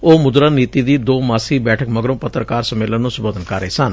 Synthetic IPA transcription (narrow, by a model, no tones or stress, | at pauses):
oːmʊd̪ɾaːniːt̪iːd̪iːd̪oːmaːsiːbɛːʈʰəkməɡɾõːpət̪ɾəkaːɾsəmeːlənːũːsʊboːd̪ənkaɾːəeːsən